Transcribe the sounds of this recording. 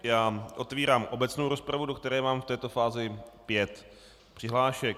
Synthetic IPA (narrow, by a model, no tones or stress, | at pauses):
jaːʔo̞t̪viːɾaːmʔo̞bɛt͡sno̞wɾo̞spɾavudo̞kt̪ɛɾɛːmaːmft̪ɛːt̪ofaːzɪpjɛt̪ | pr̝̥ɪɦlaːʃɛk